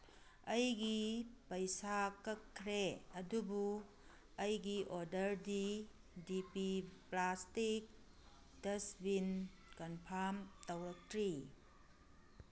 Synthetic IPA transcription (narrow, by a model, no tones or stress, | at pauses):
ɐjɡipɐjsakɐkʰːɾeɐdubu | ɐjɡiʔoɾdɐɾdi | dipiplastik̚ | dɐsbin | kɐnpʰaɾmtɐwɾɐk̚tʰɾi